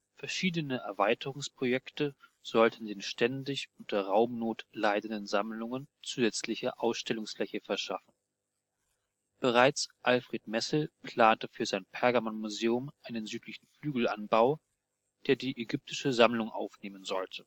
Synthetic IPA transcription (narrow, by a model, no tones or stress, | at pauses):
fɛɐʃiːdənəʔɛɐvaɪtʰəʁʊŋspʁ̥ojɛktəz̥ɔltn̩deːnʃtʰɛndɪçʔʊntɐɐʁaʊmnoːtlaɪdn̩dənzamlʊŋənt͡suːzɛt͡slɪçəʔaʊsʃtɛlʊŋsflɛçəfɛɐʃa̰fn̩ | b̥əʁaɪt͡sʔalfʁ̥eːtmɛsl̩pl̥aːntəfyːɐzaɪnpʰɛɐɡamɔnmuzeːʊmʔaɪnənzyːtlɪçn̩flyːɡl̩a̰nbaʊ | d̥eːɐdiːʔeɡʏp̚tʰɪʃəzamlʊŋʔa̰ʊfneːmənzɔltʰə